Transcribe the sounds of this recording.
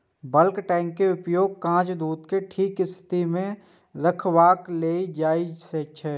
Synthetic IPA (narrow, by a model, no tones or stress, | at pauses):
bəlkʈɛ̃ːŋkːeʊpjoːɡ̚kãːt͡ʃd̪uːt̪keʈʰiːkɪst̪ʰt̪imẽ | ɾəkʰwaːkleːid͡ʒaːid͡ʒset͡ʃʃʰɛː